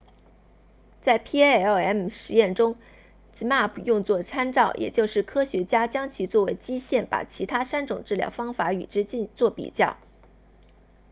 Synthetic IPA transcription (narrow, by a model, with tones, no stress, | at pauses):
t͡sa˥˩ɪpʰi˥ɛ˥˩ɛ˥mʂɻ̩˧˥jɛ˥˩nʈ͡ʂʊ˥ŋ | t͡s̩˧˥ma˥˩pʰu˨˩jʊ˥˧ŋt͡swɔ˥˩ʈ͡ʂʰa˥nʈ͡ʂɑ˥˩ʊjʔɛ̰˨˩t͡ɕjo˥˧ʊʂɻ̩˥˩kʰɤ˥ɕɥɛ˧˥t͡ɕja˥t͡ɕjɑ˥ŋt͡ɕʰy˨˩t͡swɔ˥˩we˧˥ɪt͡ɕi˥ɕjɛ˥˩npa̰˨˩t͡ɕʰi˧˥t̪ʰa˥sa˥nʈ͡ʂʊ˨˩ŋʈ͡ʂɻ̩˥˩ljɑ̰˥˩ʊfɑ˥ŋfa˧˥y̰˨˩ʈ͡ʂɻ̩˥t͡ɕi˥˧nt͡swɔ˥˩pḭ˨˩t͡ɕjɑ˥˩ʊ